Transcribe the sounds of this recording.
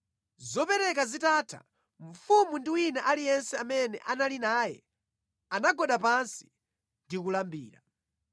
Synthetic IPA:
zɔpɛɾɛkazitaːtʰa̰ | ɱ̩fumundiwinaʔalijɛnsɛamɛnɛ̰ʔanalinaːjɛ̰ | anaɡɔɗapansi̥ | ndikulambiːɾa

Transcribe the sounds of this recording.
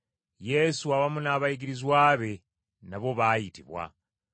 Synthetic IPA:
je̞suawamunaːβajiɡiɾizwaːβe̞ | naβo̞βaːjitiβwa̰

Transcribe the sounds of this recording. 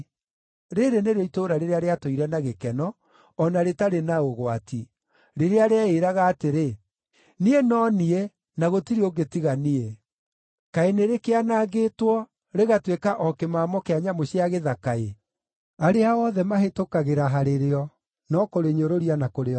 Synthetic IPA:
ɾeɾeneɾeitoɾaɾeɾeaɾeatoiɾɛnaɣekɛnɔː | naɾetaɾenaoɣwati | ɾeɾeaɾeaeɾaɣaːteɾe | nienɔnie | naɣotiɾeoɡetiɣanie | kaeneɾekeanaːɣetwɔ | ɾeɣatwekaʔɔkemamɔkeaɲamoɕiaɣeðakae | aɾeaɔðɛmaɦetokaɣeɾaɦaɾeɾeɔ | nɔkoɾeɲoɾoɾianakoɾeɔ

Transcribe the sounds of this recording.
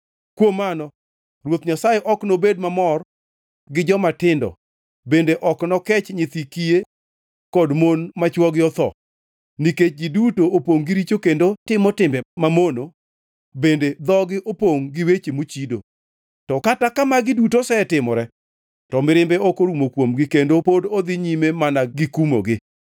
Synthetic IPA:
kwomːanɔ | ɾwot̪ɲasajeʔɔknobedmamɔr | ɡɪd͡ʒɔmatɪndɔ̰ | bendeʔɔknɔkɛt͡ʃɲɪt̪ikie | kɔdmonmat͡ʃwɔɡɪɔt̪ɔ̰ | niket͡ʃ̚ɡidutoopoŋɡiɾit͡ʃokendotɪmɔtɪmbɛmamono | bended̪ɔɡɪʔopoŋɡɪwet͡ʃemut͡ʃido | tɔkatakamaɡɪdutosɛɛtɪmɔɾɛ | tɔmɪɾɪmbɛokoɾumokwomɡɪkendopodod̪ɪɲimemanaɡɪkumo̰ɡɪ

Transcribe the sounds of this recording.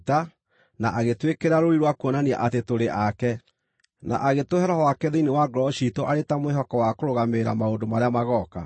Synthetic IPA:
ta | naʔaɣetwekeɾaɾoɾiɾwakwɔnania̰ʔatetoɾeʔakɛ | na̰ʔaɣetohɛɾɔhɔwakɛðeinewaɡɾɔʃitɔʔaɾetamweɦɔkɔwakoɾoɣameɾamaondomaɾeamaɣɔka̰

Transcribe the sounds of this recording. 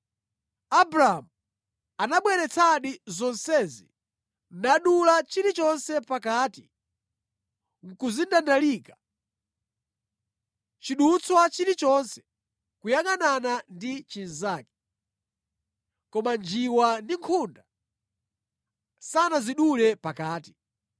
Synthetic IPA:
abɾaamu | anaɓwɛɾɛt͡sʰaɗizɔnsɛzḭ | naɗulat͡ʃiɾit͡ʃɔnsɛpakaːtḭ | ŋ̩kuzindandaliːka | t͡ʃiɗut͡swat͡ʃiɾit͡ʃɔnsɛ̥ | kujaŋananandit͡ʃinzaːkɛ̥ | kɔmand͡ʒiwandiŋkʰunda | sanaziɗulɛpakaːti̥

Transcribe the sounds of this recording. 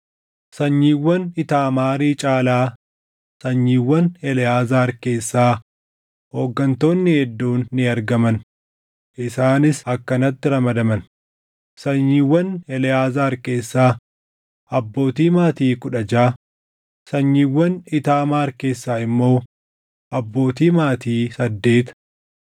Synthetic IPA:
sɐɲːiːwːɐnɪt̪aːmaːɾiːt͡ʃʼaːlaː | sɐɲːiːwːɐnɛlɛjaːzaːɾke̞ːsːaː | ho̞ːɡːɐnt̪o̞ːnːɪhɛd̪ːuːnːɪɐɾɡɐmɐn | ʔɪsaːnɪsɐkːɐnɐt̪ːɪɾɐmɐd̪ɐmɐn | sɐɲːiːwːɐnɛlɛaːzaːɾke̞ːsːaː | ʔɐbːo̞ːt̪iːmaːt̪iːkʊᶑɐd͡ʒaː | sɐɲːiːwːɐnɪt̪aːmaːɾke̞ːsːaːɪmːo̞ː | ʔɐbːo̞ːt̪iːmaːt̪iːsɐd̪ːe̞ːt̪

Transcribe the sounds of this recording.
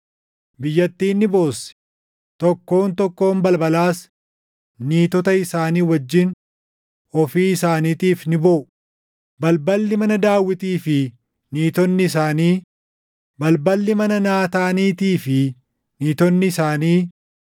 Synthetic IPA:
bɪjːɐt̪ːiːnːɪbo̞ːsɛ̥ | t̪ɔkːo̞ːnt̪ɔkːo̞ːmbɐlbɐlaːs | niːt̪ɔt̪ɐɪsaːniːwɐd͡ʒːɪn | ɔfiːɪsaːniːt̪iːfnɪbɔʔʊ | bɐlbɐlːɪmɐnɐd̪aːwːɪt̪iːfɪ | niːt̪ɔnːɪɪsaːniː | bɐlbɐlːɪmɐnɐnaːt̪aːniːt̪iːfɪ | niːt̪ɔnːɪɪsaːniː

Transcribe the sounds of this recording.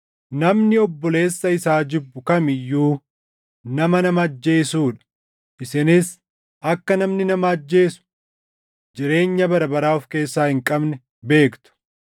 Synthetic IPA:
nɐmnɪɔbːɔle̞ːsːɐɪsaːd͡ʒɪbːʊkɐmɪjːuː | nɐmɐnɐmɐɐd͡ʒːe̞ːsuːᶑɐ̥ | ʔɪsɪnɪs | ɐkːɐnɐmnɪnɐmɐːd͡ʒːe̞ːsʊ̥ | d͡ʒɪɾe̞ːɲːɐbɐɾɐbɐɾaːɔfke̞ːsːaːhɪŋkʼɐbnɛ | be̞ːkt̪ʊ̥

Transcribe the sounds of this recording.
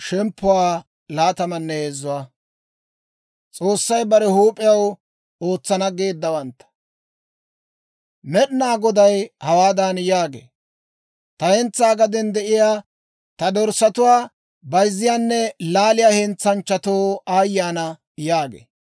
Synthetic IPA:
ʃɛmpːʊwaː | laːt̪ɐmɐnːɛheːzːʊwaː | t͡sʼo̞ːsːɐjbɐɾɛhuːpʼɪjɐw | o̞ːt͡sːɐnɐɡeːd̪ːɐwɐnt̪ːɐ̥ | mɛɗnaːɡɔd̪ɐjhɐwaːd̪anjaːɡḛː | t̪ɐhɛnt͡sːaːɡɐd̪ɛnd̪ɛʔɪjaː | t̪ɐd̪ɔɾsɐt̪ʊwaː | bɐjzːɪjaːnːɛlaːlɪjahɛnt͡sːɐnt͡ʃːɐt̪oːaːjːaːnɐ | jaːɡḛː

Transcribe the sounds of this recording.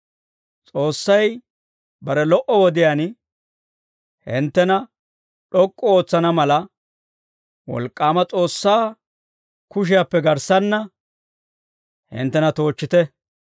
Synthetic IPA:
t͡sʼo̞ːsːɐj | bɐɾɛlɔʔɔwɔd̪ɪjaːn | hɪnt̪ːɛnɐ | ɗɔkʼːɔo̞ːt͡sːɐnɐmɐlɐ | wɔ̰lkʼːaːmɐt͡sʼo̞ːsːaː | kʊʃ̬ɪjapːɛɡɐɾsɐnːɐ | hɪ̰nt̪ːɛnɐt̪o̞ːt͡ʃːɪt̪ɛ

